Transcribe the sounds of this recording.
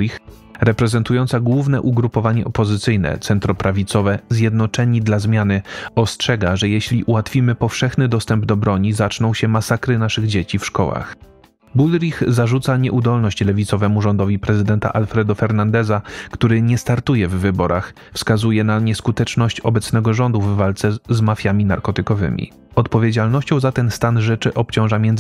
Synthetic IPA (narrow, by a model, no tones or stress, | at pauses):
ix | ɾɛpɾɛzɛnt̪ujɔnt̪saɡwuvnɛʔuɡɾupɔvaɲɛʔɔpɔzɘt̪sɘjnɛ̰t̪sɛnt̪ɾɔpɾavʲit̪sɔvɛzʲjɛd̪nɔt͡ʂɛɲid̪lazmʲjanɘɔstʂɛɡaʐɛjɛɕlʲiʔuwat̪fʲimɘpɔfʂɛxnɘd̪ɔst̪ɛmbd̪ɔbɾɔɲizat͡ʂnɔ̃w̃ɕɛmasakɾɘnaʂɘɣd͡ʑet͡ɕifʂkɔ̰wa̰x | bulɾʲixzaʐut̪saɲɛʔud̪ɔlnɔɕt͡ɕlɛvʲit̪sɔvɛmuʐɔnd̪ɔvʲipɾɛzɘd̪ɛnt̪a̰ʔalfɾɛd̪ɔfɛɾnand̪ɛzakt̪uɾɘɲɛst̪aɾt̪ujɛvːɘbɔɾʔax | fskazujɛnaɲɛskut̪ɛt͡ʂnɔɕt͡ɕɔbɛt̪snɛɡɔʐɔnd̪uvːalt̪sɛzmafʲjamʲinaɾkɔt̪ɘkɔvɘ̰mʲḭ | ɔt̪pɔvʲjed͡ʑalnɔɕt͡ɕɔ̃w̃zat̪ɛnst̪anʐɛt͡ʂɘʔɔp̚t͡ɕɔ̃w̃ʐamʲjɛnd̪z